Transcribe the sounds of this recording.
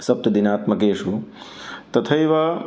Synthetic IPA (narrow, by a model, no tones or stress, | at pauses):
sɐp̚t̪ɐd̪inaːt̪mɐkeːʂu | t̪ɐt̪ʰɐjʋɐ